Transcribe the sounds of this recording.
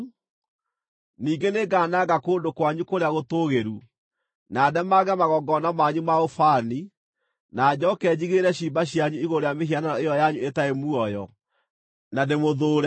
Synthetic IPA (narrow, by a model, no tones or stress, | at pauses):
niːɡeneɡaːnaɡakoːndokwaɲukoɾeaɣotoːɣeɾu | naːdɛmaɣɛmaɣɔɡɔnamaɲumaofani | naːd͡ʑɔkɛːd͡ʑiɣeɾɛɕiːmbaɕjaɲuiɣoɾejameɦiananɔejɔjaɲuetaemuɔjɔ | nademoðoːɾɛ